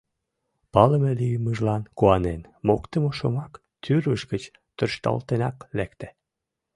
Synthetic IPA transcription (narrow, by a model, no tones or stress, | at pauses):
pɑləmelyjəməʒlɑnkoɑnenmokt̪əmoʃomɑk | t̪yrβəʃɡət͡ɕ | t̪ørʃt̪ɑ̰lt̪enɑklekt̪æ̥